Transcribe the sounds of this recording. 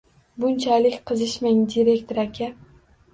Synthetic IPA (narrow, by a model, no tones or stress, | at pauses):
bʊnt͡ʃʰalɪkʲqʰɨzɪʃmaŋd̪iɾe̞kt̪ʰoɾakʲʰa